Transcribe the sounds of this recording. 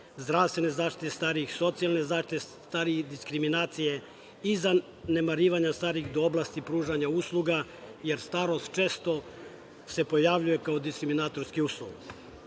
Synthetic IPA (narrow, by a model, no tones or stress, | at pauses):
zd̪ɾaʋst̪ʋe̞nezaːʃt̪it̪est̪aːɾiixso̞t̪sialne̞zaːʃt̪it̪est̪aːɾijed̪iskɾiminaːt̪sije̞ | iza | ne̞maɾiːʋaɲast̪aːɾixd̪ooblˠaːst̪ipɾuːʒaɲauslˠuɡa | je̞ɾst̪aːɾo̞st̪t͡ʃe̞ːst̪o̞ | se̞po̞jaʋʎujekaod̪iskɾiminaːt̪o̞ɾskiuːslˠuɡ